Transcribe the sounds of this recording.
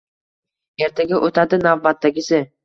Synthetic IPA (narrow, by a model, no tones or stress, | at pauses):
e̞ɾt̪ʰaɡʲaʔot̪ʰad̪ɪnavbat̪ːaɡʲɪsɪ